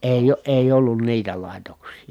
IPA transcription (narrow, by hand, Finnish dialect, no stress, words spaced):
eˑi eˑij olːun niːtæ lɑˑitoksˑiː